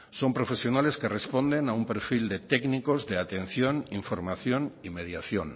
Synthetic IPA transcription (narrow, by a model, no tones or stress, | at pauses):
so̞mpɾo̞fe̞sjo̞nale̞skerespo̞nd̪e̞naumpeɾfild̪e̞t̪ekniko̞zðeat̪e̞n̟θjoniɱfo̞ɾmaθjo̞nime̞ð̞jaθjon